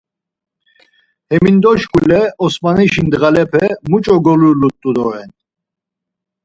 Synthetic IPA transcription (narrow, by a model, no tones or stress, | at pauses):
hɛmind̪ɔʃkʰʼulɛɔsmaniʃind̪ʁalɛpʰɛmut͡ʃʼɔɡɔlulut̪ʼːud̪ɔɾɛn